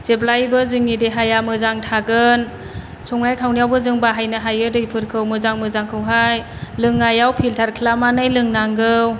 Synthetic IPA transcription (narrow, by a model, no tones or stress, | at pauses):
z̥eplajbɯzɯŋːideɦajamɯzaŋtʰaɡɯn | sɔŋnajkʰawnijawbɯzɯŋbaɦajnɯɦajɯdɯjpʰɯɾkʰɯwmɯzaŋmɯzaŋkʰɯwɦaj | lɯŋːajawpʰiltʰaɾkʰlamanɯjlɯŋnaŋɡɯw